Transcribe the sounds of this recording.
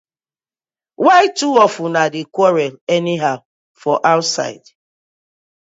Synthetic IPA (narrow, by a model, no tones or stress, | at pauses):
waɪtuɔfunadɪkwɔɹɛlɛniɦaʊ | fɔʔaʊtsa̰ɪd̥